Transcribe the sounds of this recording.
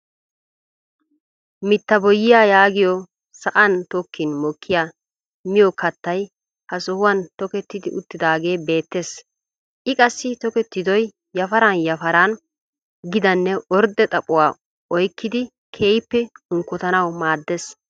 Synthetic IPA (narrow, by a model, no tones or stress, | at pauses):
mɪt̪ːɐbɔjːɪjaːjaːɡɪjɔ | sɐʔɐnt̪ɔkːɪnmɔkʰːɪjaː | mɪjɔkɐt̪ːɐj | hɐsɔhʊwɐnt̪ɔkɛt̪ːɪd̪ɪʔʊt̪ːɪd̪aːɡe̞ːbe̞ːt̪ːe̞ːs | ʔɪkʼɐsːɪt̪ɔkɛt̪ːɪd̪ɔj | jɐfɐɾanjɐfɐɾaːn | ɡɪd̪ɐnːɛɔɾd̪ɛt̪ʼɐpʼːʊwaː | ɔjkːɪd̪ɪ | kʰeːjpːɛʊŋkːʊt̪ɐnɐwmaːd̪ːes